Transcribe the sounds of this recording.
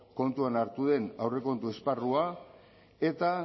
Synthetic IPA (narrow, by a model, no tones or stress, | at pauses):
ko̞nt̪uanaɾt̪uðe̞nawre̞ko̞nt̪uesparua | e̞t̪a